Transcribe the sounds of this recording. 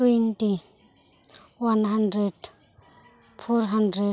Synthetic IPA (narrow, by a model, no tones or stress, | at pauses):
twenti | wanɦandɾed | fɔɾɦandɾe